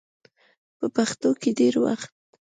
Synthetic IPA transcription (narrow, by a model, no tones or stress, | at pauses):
pəpaxt̪okeɖeɾwa̰xt̪̚